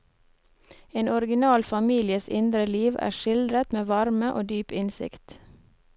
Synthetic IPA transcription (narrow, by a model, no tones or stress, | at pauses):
eːnɔɾɡɪnɑːlfɑmiːlɪəsɪ̰nd̪ɾəliːʋæ̰ːʃɪld̪ɾət̪meːʋɑɾməʔoːd̪yːpɪnsɪ̰kt̪